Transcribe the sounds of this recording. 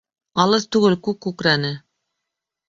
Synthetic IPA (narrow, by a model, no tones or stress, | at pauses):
ɑlˠɤst̪ʉɡɘlkʉkːʉkɾænɘ